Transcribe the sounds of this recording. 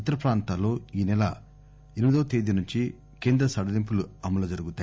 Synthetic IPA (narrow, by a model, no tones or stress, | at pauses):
it̪ːɐɾɐpɾaːnt̪aːlo̞ːiːnɛlɐ | eɾimid̪oːt̪eːd̪inuɲt͡ʃi | keːnd̪ɾɐsɐɽɐd̪imp̬uluɐmɐlɐd͡ʒɐɾuɡut̪aː